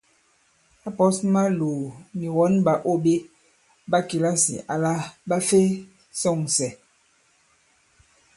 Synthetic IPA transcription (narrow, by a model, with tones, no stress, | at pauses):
a˦pɔ˦sma˦lo˨ni˨wɔ˨˦nba˨ʔo˦be˦ | ba˦ki˨la˦sḭ˨ʔa˨la˦ba˦fe˦ | sɔ˦˨ŋsɛ˨